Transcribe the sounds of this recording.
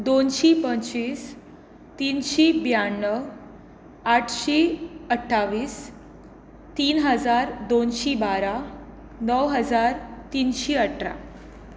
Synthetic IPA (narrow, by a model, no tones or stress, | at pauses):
d̪onɕipəɲt͡ɕiːs | t̪iːnɕibjaɳːəʋ | aʈʰɕiəʈʰːaʋiːs | t̪iːnɦəd͡zaɾd̪onɕibaɾa | nəwɦəd͡zaɾt̪iːnɕiəʈʰɾa̰